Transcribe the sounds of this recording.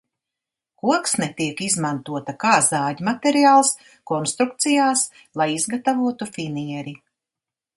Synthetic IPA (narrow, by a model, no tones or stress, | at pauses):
kuɔksnɛt̪iɛkizmant̪uɔt̪akaːzaːɟmat̪eɾiaːlˠs | kɔnst̪ɾuk̚t̪sijaːs | lˠajizɡat̪avuɔt̪ufiniɛɾi